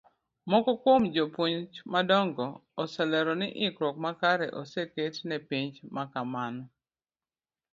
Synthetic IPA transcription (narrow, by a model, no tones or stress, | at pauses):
mɔkɔkwomd͡ʒopoɲt͡ʃmadɔŋɡɔːsɛlɛɾɔnɪʔɪkɾɔkmakaɾɛ̰ʔɔseketnɛpiɲd͡ʒmakamanɔ